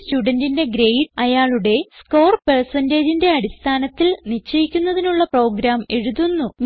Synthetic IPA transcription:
stuːɽɐndinde̞ɡɾejɖɐjaːɭuɽe̞sko̞ːrpersɐnde̞ːd͡ʑinde̞ɐɽist̪ʰaːnɐt̪ːilnit͡ɕːejikʲːunːɐðinuɭːɐpro̞ːɡɾaːmeɻuðunːum

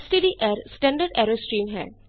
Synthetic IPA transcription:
sʈiɖiʔɛːɾsʈɛ̃ːɳɖəɾɖɛːɾoːsʈɾiːmɦɛ̰ː

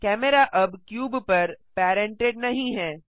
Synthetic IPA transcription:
kɛːmeɾaʔɐbkjuːbpɐɾpɛːɾẽɳʈeːɖnɐɦĩɦɛː

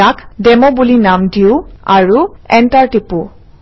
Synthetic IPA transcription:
akdɛmɔbulinamdiʊaɹuɛntaɹtipu

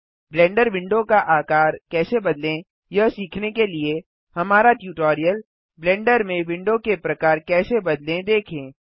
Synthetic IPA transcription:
blɛ̃ːɳɖəɾʋɪ̃ɳɖõkaʔaːkaːɾkɛːsebɐd̪lẽ | jɐsiːkʰnekelie | hɐmaːɾaʈjuːʈoːɾijəl | blɛ̃ːɳɖəɾmẽʋɪ̃ɳɖõkepɾɐkaːɾkɛːsebɐd̪lẽd̪eːkʰẽː

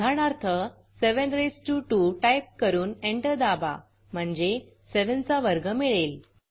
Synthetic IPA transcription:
aɳ̃aɾt̪ʰə | seʋənɾesʈuːʈuːʈajp̚kəɾuːneɳʈəɾd̪aba̰ | m̤əɳd͡ze | seʋənt͡saʋəɾɡəmiɭel

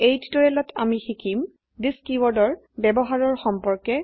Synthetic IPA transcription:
ejttɔɹɛlɔtʰamixikʰim | diskiwɔɹdɔɹ | bɛbɔɦaɹɔɹxɔmpɔɹkɛ

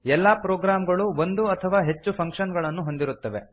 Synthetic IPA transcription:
ɛlːaːpɾoːɡɾaːmɡɐɭuo̞nd̪uɐt̪ʰɐʋaːɦe̞t͡ʃːupʰɐŋkʂɐnɡɐɭɐnːuɦo̞nd̪iɾut̪ːɐʋe̞̰

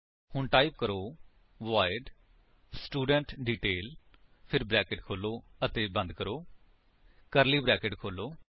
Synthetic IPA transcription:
hʊɳʈaːip̚kəɾoː | ʋaːɪɖ | sʈuːɖə̃ɳʈɖiːʈeːl | pʰɪɾbɾɛːkeʈkʰoːloːət̪eːbə̃nd̪kəɾoː | kəɾliːbɾɛːkeʈkʰoːloː

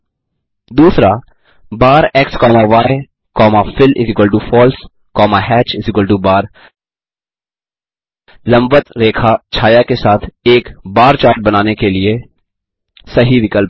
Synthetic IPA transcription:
d̪uːsɾa | baːɾɛkskɔːmaʋaːe | kɔːmafɪlɪzɪkəlʈufɔːls | kɔːmaɦɛːt͡ʃɪzɪkəlʈubaːɾ | lɐ̃mbət̪ɾeːkʰat͡ʃʰaːjakesaːt̪ʰeːkbaːɾt͡ʃaːɾʈ̚bɐnaːnekelie | sɐɦiʋɪkəlp

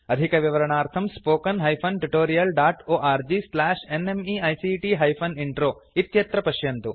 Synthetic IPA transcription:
ɐd̪ʱikɐʋiʋɐɾɐɳaːɾt̪ʰɐmspoːkɐnɦɐjpʰɐnʈuʈoːɾijɐlɖaːʈoːʔaːɾd͡ʒislaːʂenemiɐjsiʈiɦɐjpʰɐniɳʈɾoː | it̪jɐt̪ɾɐpɐʃjɐnt̪u

